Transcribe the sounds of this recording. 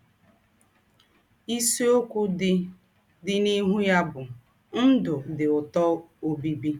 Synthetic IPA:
i˦se˦o˦kʷʊ˦ɪ˦ | dɪ˨ni˦ɦu˦ja˦bʊ˨ | n̩˦dʊ˨dɪ˨ʊ˨tɔ˦o˦bi˦bi˦

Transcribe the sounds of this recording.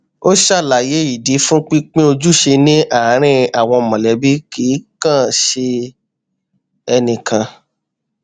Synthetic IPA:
o˦ʃa˦˨la˨je˨˦i˨di˨˦fũ˦k͡pĩ˦k͡pĩ˦o˧d͡ʒu˦ʃe˧nĩ˦ʔa˨˦ɾ̃ĩ˦a˨w̃ɔ̃˧˨mɔ̃˨lɛ˨˦bi˦ki˨˦kã˦˨ʃe˧ | ɛ˧nĩ˨kʰã˧

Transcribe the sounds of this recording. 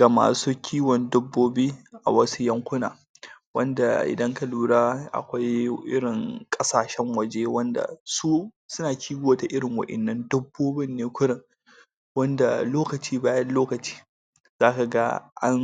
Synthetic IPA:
ɡ̥a˨ma̰ː˨suː˦kʲʰiː˦wɔ˨ndʊ˦bːoː˦bi˦ʔa̰˨wɐ˦su˦jɐ˦ŋkʷʊ˦na̰ː˨ | wɐ˦nda̰˨ʔɪ̰˨dɐ˦ŋka˨luː˦ɽaː˦ʔa̰˨kʷa˦jʔɪ˦ɽɪ˨ŋkʼɐ˦saː˨ʃɛ˦ŋwɐ˨d͡ʒe˦wɐ˦nda̰˨su˦ | sʊ˦naː˨kʲʰiː˦ɡʷoː˦ta˨ʔɪ˦ɽɪ˨ŋwɐ̰˨ʔɛ̰˨nːɐ˦ndʊ˦bːoː˦bɪ˦nːeː˦kʷʊ˦ɽɪ˨ŋ | wɐ˦nda̰˨loː˦kɐ˨t͡ʃiː˦baː˦jɐ˦nloː˦kɐ˨t͡ʃi̥ː˦ | z̥aː˦ka˨ɡa˦ʔa̰˦n

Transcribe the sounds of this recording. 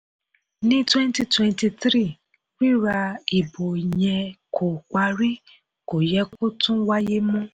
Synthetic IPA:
nĩ˦twɛ̃˦nti˨twɛ̃˧nti˧tɾi˦˨ | kk͡pi˦ɾa˧i˨bo˨jɛ̃˧kʰo˨k͡pa˧ɾi˦ | ko˨jɛ˧˦ku˦tũ˦wa˦je˦mũ˦

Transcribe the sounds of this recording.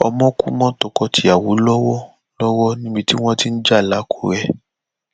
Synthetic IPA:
ɔ˧mɔ̃˦kṵ˦mɔ̃˦tɔ˧kɔ˧tʰi˨˦a˨wu˨˦lɔ˦wɔ˦ | lɔ˦wɔ˦nĩ˦bi˧ti˦w̃ɔ̃˦ti˦n̩˦d͡ʒa˦˨la˨˦kʰo˦˨ɾɛ˧

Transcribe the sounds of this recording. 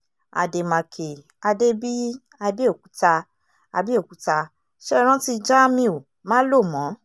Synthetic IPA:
a̰˨de˨mã˨kʰe˨ | a˧de˦bi˦ | a˧bi˦o˦˨ku̥˨˦ta˧ | a˧bi˦o˦˨ku˨˦ta˧ | ʃɛ˦ɾ̃ã˦ti˧d͡ʒa˦mĩ˧o˨ | mã˦lo˦˨mɔ̃˨˦

